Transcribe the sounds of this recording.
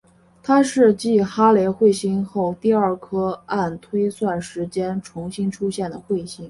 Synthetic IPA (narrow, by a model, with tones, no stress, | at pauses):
t̪ʰa˥ʂɻ̩˥˧t͡ɕi˥˩xa˥le˧˥xwe˥˩ɪɕi˥ŋxo˥˩ʊt̪i˥˧ɐ˞˥˩kʰɤ˥a˥˩nt̪ʰwe˥ɪswa˥˩nʂɻ̩˧˥t͡ɕjɛ˥nʈ͡ʂʰʊ˧˥ŋɕi˥ŋʈ͡ʂʰu˥ɕjɛ˥˩nd̪ə˩xwe˥˩ɪɕi˥ŋ